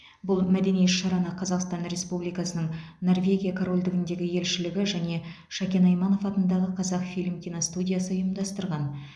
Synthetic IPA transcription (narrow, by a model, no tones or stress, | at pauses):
bʊlˠmæd̪e̞nijet̪ʃɑɾɑnəqʰɑzɑqst̪ɑnɾʲe̞spublijkɑsənəɴno̞rvʲe̞ɡʲijakʰoɾo̞lʲd̪ɪɡʲɪnd̪e̞ɡʲɪje̞lʃɪlɪɡʲɪʒæne̞ | ʃɑkʲe̞nɑjmɑno̞fɑt̪ənd̪ɑʁəqʰɑzɑqfʲijlʲɪmkʲinost̪udʲijasəəjəmd̪ɑst̪əɾʁɑn